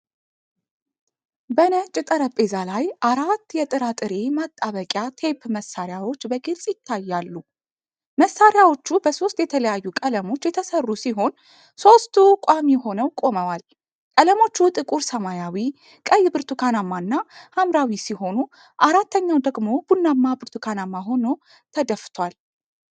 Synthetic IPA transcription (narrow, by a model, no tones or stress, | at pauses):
bənət͡ʃʼːɪt̪ʼəɾəpʼe̞zalajʔaɾat̪ːjɛt̪ʼɨɾat̪ʼɨɾe̞mat̪ʼːaβəkʼjat̪ʰe̞pːməsːaɾjawo̞t͡ʃːbəɡɨlsʼjɪt̪ʰːajːalːu | məsːaɾjawo̞t͡ʃːubəso̞st̪jɛt̪ʰələjajːukʼələmo̞t͡ʃːjɛt̪ʰəsərːusiɦo̞n | so̞st̪ʰukʷʼamiho̞nəwkʼo̞məwal | kʼələmo̞t͡ʃːut̪ʼɨkʼuɾsəmajawi | kʼəjːbɨɾt̪ʰukʰanamːanːahamɾawisiɦo̞nu | ʔaɾat̪ʰːəɲːawd̪əɡmo̞b̥unːamːabɨɾt̪ʰukʰanamːaɦo̞no | t̪ʰəd̪əft̪ʰwal